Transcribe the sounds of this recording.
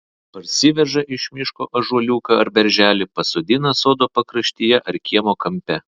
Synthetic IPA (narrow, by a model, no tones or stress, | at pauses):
pɐɾʲsʲɪʋʲɛʒɐʔɪʃʲmʲɪʃko̰ːʔɐʒuɔlʲuːkɐɐɾbʲɛɾʲʒʲæːlʲɪpɐsoːd̪ʲɪnɐsoːd̪oːpɐkɾɐʃʲt̪ʲɪjɛʔɐɾkʲiɛmoːkɐmʲpʲɛ